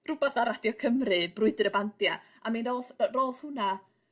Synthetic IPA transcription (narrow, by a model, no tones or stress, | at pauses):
rʊbɛθaɾadjɔkʰəmrɨbrʊɨdɪɾəbandja | aminolˠðroːlˠθhʊna